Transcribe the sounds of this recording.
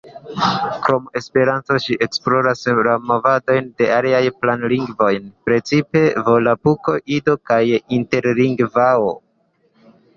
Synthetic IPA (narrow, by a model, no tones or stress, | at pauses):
kɾo̞me̞spe̞ɾanto̞ʃiʔe̞ksplo̞ɾaslamovado̞jnde̞ʔaliajplanliŋɡvo̞jnpɾe̞t͡sipe̞vo̞lapuko̞ʔido̞kajinte̞ɾliŋɡvao